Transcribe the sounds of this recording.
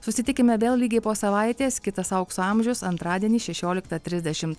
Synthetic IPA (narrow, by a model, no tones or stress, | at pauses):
sʊsʲɪt̪ʲɪkʲɪmʲɛʋʲeːlˠlʲiːɡʲeːpoːsɐʋɐˑɪt̪ʲeːskʲɪt̪ɐsɐʊksʊɑˑmʲʒʲʊsɐnt̪ɾɑːd̪ʲiɛnʲiːʃʲɛʃʲoːlʲɪkt̪ɐt̪ʲɾʲɪzʲd̪ʲɛʃʲɪmt̪